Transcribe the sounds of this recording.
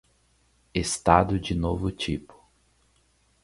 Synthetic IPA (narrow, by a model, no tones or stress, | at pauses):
est̪ad̪ʊd͡ʒɪnovʊt͡ʃipʊ̥